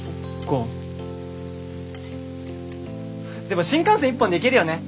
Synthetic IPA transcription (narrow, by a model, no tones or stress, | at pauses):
ko | d̪e̞mo̞ɕĩŋkãɰ̃sẽipːõnd̪ekʲiɾɯ̟jo̞ne